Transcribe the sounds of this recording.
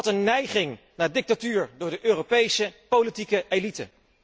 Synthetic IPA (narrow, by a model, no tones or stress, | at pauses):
tənːɛjχɪŋ | naːdɪk̚tatyːɹdʊːɹdəʔøːropejsəpowlitikəelitə̰